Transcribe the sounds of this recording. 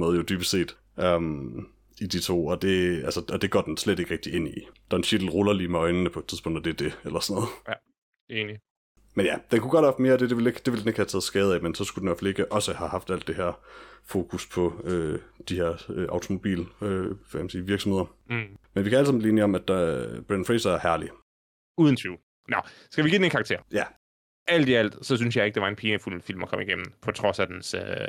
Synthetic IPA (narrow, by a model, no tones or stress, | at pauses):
moːð̩ˠjod̥yːb̥ə̥se̝̰ːd̥ | ʔøm | id̥it͡sʰo̝̰ːɒ̽d̥e̝ælsəɒd̥e̝ɡ̥ɒ̰ːd̥ensled̥e̝ɡ̥ʁɛɡ̥d̥ie̝n̰id̥ɑɐenɕed̥l̩ʁolɐliːmeɒ̽ɪnənəpʰɒ̽ed̥t͡sʰiðˠpɔ̽ŋ̰d̥æd̥eɐd̥e̝elɐsɒnɔðˠ | eni | menjæd̥enkʰuɡ̥ɒd̥̚hɑfd̥me̝ːɐɒd̥e̝d̥e̝ʋe̝leɡ̥d̥e̝ʋeld̥ene̝ɡ̥hæt͡sʰɛːð̩ˠsɡ̥ɛːð̞̩ˠæmensɒ̽sɡ̥ud̥enʋæɐfælie̝ɡ̥əʔɒ̽səhæhɑ̈fd̥æl̰d̥e̝ɦeɐ̰fo̝ːkʰuspʰɒ̽øːd̥iheɐ̰øʔɑ̈ʊt͡sʰo̝mo̝b̥ḭːløæmsiːʋiɐɡ̥sme̝ð̰ˠɐ | menʋikʰææləsɑ̈mbliːe̝niɒ̽mæd̥b̥ʁenfʁesɐæɐhæɐli | uːð̞ˠn̩t͡sʰyʊ | nɒsɡ̥æʋiɡiːdenenŋkʰɑ̈ɡ̚t͡sʰḛɐ̰jæ | ʔæl̰d̥iæl̰d̥sɒ̽s̬ynsjɑ̈ɪeɡ̥̚d̥eɑ̈e̝npʰiːnəful̰fil̰mɒkʰɒ̽m̰iɡ̥em̰m̩pʰɒ̽t͡sʰʁɒ̽sæd̥ensø